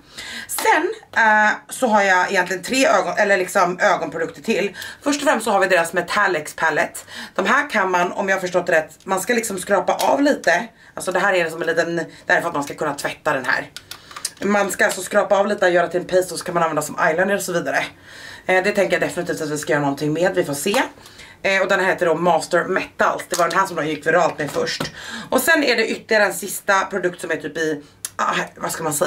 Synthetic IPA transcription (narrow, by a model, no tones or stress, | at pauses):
sɛn | sɔɦaɾjaɪjɛnt̪lɪɡənt̪ʰɾeːøːɡɔnʔɛlːəɭɪksɔmøːɡɔnpʰɾʊd̪ɵk̚t̪əʈʰɪlfœʂʈɔfɾɛmst̪sɔɦaɾvɪd̪eːɾasmɛt̪ʰalːɛkspʰalːət̪d̪̥ɔmɦæːɾkʰanmanɔ̰mjaːhafœʂʈɔt̪ːɾɛt̪ːmanskalɪksɔmskɾɑːpaʔaːvliːt̪ə | alsɔd̪ɛɦæːɾæɾlɪksɔmɛnliːt̪ənd̪̥æɾfœɾat̪manskakʰɵnːat̪ʰvɛt̪ːad̪ɛnɦæ̰ːɾ | manskaalsɔskɾɑːpaɑːvliːt̪əɔjœːɾat̪ʰɪlɛnpʰɛst̪ɔsɔ̥kʰanmananvɛnd̪asɔma̰jlɛnd̪əɾɔsɔviːd̪aɾə | d̪ɛt̪ʰɛŋkəɾjad̪ɛfɪnɪt̪ʰiːft̪at̪vɪskajœːɾanɔnt̪ʰɪŋmeːd̪vɪfoːseː | ɔd̪ɛnɦeːt̪ːəɖɔmɑːst̪əɾmɛt̪ːa̰lsd̪ɛvaɖɛnɦæːʂɔmd̪oːjɪkːvɛɾɑːlt̪mɛfœʂʈʔɔsɛnːæɖɛʔʏt̪ːlɪɡaɾəɛnsɪst̪apʰɾʊd̪ɵkt̪sɔmɛt̪ʰyːpɪ | vasklmansɛ